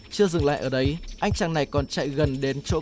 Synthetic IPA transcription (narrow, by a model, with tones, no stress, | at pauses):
t͡ɕɨ˧əzɨ˨˩ŋla̰ː˧˨jʔəː˧˩ɗə˨˦jʔa˧jŋ̟t͡ɕaː˨˩ŋna˨˩jkɔ˨˩nt͡ɕa̰˧˨jɣə˨˩nɗe˨˦nt͡ɕo̰˧˥